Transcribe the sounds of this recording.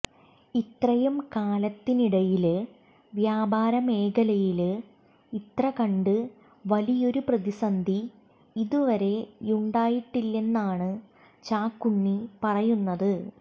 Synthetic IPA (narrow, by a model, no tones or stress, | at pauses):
it̪rɐjɐmkaːlɐt̪ːiniɽɐjil | ʋjaːbʱaːɾɐme̞ːɡɐlɐjil | it̪rɐkɐɳɖɨ | ʋɐlijo̞ɾuprɐðisɐnd̪ʱi | iðuʋɐɾe̞uɳɖaːjiʈːilːe̞nːaːɳɨ | t͡ɕaːkːuɳːipɐrɐjunːɐðɨ